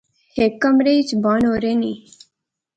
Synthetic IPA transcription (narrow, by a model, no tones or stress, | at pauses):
hekəmɾejt͡ʃbaːnoːɾeni